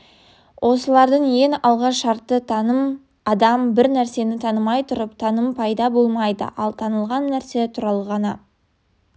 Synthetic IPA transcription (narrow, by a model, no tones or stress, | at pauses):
wʔo̞səlˠɑɾd̪əɴjeŋɑlˠʁɑʃɑɾt̪ːət̪ʰɑnəm | ɑd̪ɑmbɪɾnæɾse̞nɪt̪ʰɑnəmɑjt̪ʰʊɾəpt̪ʰɑnəmpʰɑjd̪ɑbo̞lˠmɑjd̪ə̰ʔɑlˠt̪ʰɑnəlˠʁɑnːæɾse̞t̪ʰʊɾɑlˠəʁɑnɑ